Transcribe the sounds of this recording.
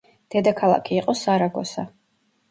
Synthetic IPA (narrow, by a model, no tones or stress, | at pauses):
d̪̥ɛd̪akʰalˠa̰kʰiːqʼɔsaɾaɡɔ̰sa